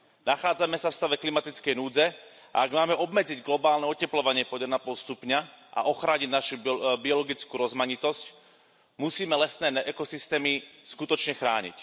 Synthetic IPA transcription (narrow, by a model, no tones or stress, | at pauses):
naxaːd͡zamɛsafst̪aʋɛklimat̪it͡skɛjnuːd͡zɛ | ʔa̰aɡmaːmɛʔɔbmɛd͡ziɟɡlɔbaːlnɛɔcɛplɔʋaɲɪɛpɔɛɛɛnapɔlst̪upɲaʔa̰ʔɔxɾaːɲiɟnaʃubiɔlɔɡit͡skuːɾɔzmaɲit̪ɔsc | musiːmɛlɛsnɛːnɛʔɛkɔsist̪ɛːmiskut̪ɔt͡ʃɲɛxɾaːɲḭc